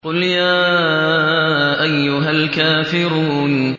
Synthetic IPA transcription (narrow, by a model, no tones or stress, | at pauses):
qʊljaː | ʔajːʊɦalkaːfɪɾuːn